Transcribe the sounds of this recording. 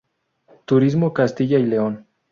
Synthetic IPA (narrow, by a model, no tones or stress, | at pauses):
t̪uɾizmokast̪iʝaile̞on